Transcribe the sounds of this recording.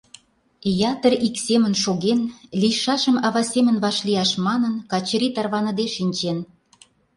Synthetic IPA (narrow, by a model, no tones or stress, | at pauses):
jɑt̪əriksemə̆nʃoɣenliʃɑʃəmɑβɑsʲemə̆nβɑʃlijɑʃmɑnənkɑt͡ɕə̆ɾit̪ɑrβɑnə̆d̪eʃinʲt͡ɕen